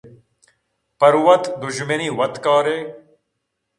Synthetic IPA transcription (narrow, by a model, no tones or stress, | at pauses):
pɐɾwɐt̪d̪uʑmɐniːwɐt̪kaːɾeː